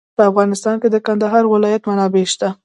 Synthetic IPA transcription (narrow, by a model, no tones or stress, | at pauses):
pəafɣɑnɪst̪ɑnked̪əkand̪aɦɑɾwɪlɑjat̪manɑbeʃt̪a